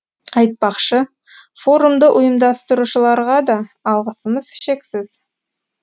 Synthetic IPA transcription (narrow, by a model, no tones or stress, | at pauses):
ɑjt̪̚pɑqʃə | fo̞ɾumd̪əʔʊjəmd̪ɑst̪əɾuʃəlˠɑɾʁɑd̪ɑːlˠʁəsəməzʃe̞ksɪz̥